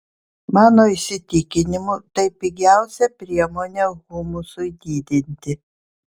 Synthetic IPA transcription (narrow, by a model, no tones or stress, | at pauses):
mɑːnoːɪsʲɪt̪ʲɪkʲɪnʲɪmʊt̪ɐɪpʲiɡʲæˑʊsʲɛpʲɾʲiɛmoːnʲɛɣʊmʊsʊɪd̪ʲiːd̪ʲɪnʲt̪ʲɪ